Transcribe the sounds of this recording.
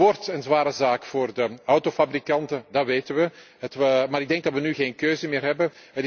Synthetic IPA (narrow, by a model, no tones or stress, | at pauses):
ortənzʋaːɾəzaːkfoːrdəɔwtofabrikɑntədɑtʋeːtənʋəɦətəmaːɾɪɡ̚dɛŋɡ̚dɑtʋənyɣeːnkøːzəmɪːrɦɛbənɦətɪ